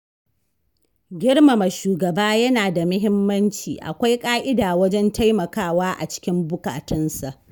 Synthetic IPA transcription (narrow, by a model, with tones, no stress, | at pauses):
ɡʲɪ˦ɽma˨ma˨ʃuː˨ɡɐ˨baː˦jɐ˦naː˨da˨mʊ˦ɦɪ˦mːɐ˦nt͡ʃḭː˨ʔa̰˨kʷa˦jkʼaː˦ʔɪ˦daː˨wɐ˦d͡ʒɛ˦nta˦jmɐ˨kaː˦˨waː˦ʔa˨t͡ʃɪ̥˦kʲɪ˦mbʊ˦ka̰ː˨tɐ˦nsa˨ʔ